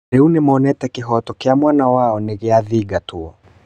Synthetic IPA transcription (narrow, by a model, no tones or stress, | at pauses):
ɾɛunimɔnɛtɛkiɦɔtɔkɛamwanawaɔniɣiaðiɡatuɔ